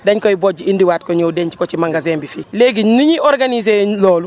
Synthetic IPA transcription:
daɲkoiboɟiindiwaːt̚koɲoːdeɲt͡ʃikot͡ʃimaŋɡazeːmbifileɡiɲnuɲiʔoɾɡanizelɔːlu

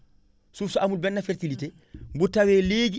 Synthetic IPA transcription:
suːfsɔamulbɛnːafɛɾtilite | mbutawɛːleɡi

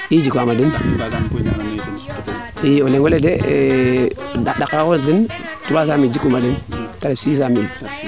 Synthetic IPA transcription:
id͡ʒikamadin | ioleŋwelede | dadakɾakondin | tubasamid͡ʒikumadintaɾesisamin

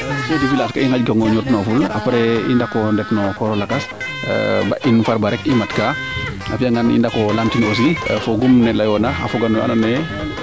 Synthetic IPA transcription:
sodifilaskaiŋaɟɡɔŋɡɔɲutnɔfula̰paɾɛindakɔndɛfnɔkɔɾɔlakas | ba̰ʔinfaɾbaɾɛkimatka | a̰fiaŋɡanḭndakɔlamtinos̬ifoɡumnɛlajɔnaa̰fuɡanɔa̰nanɛ

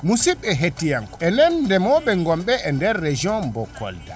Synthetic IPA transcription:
musiɓɛɦetːijaŋkɔɛnɛnːdɛmɔɓɛŋɡɔmɓɛʔɛndɛɾːed͡ʒɔnbɔkːɔ̰lda

